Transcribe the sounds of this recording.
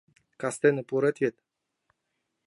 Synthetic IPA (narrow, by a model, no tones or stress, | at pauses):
kast̪enəpuɾət̪ʲet̪